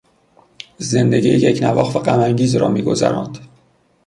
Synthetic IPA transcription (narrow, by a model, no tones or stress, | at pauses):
ze̞nd̪e̞ɟiːjjecʰnævɒːxvæɢæmæŋɟiːzɾɒ̰ːmiːɡo̞zæ̰ɾɒ̰ːnd̪̥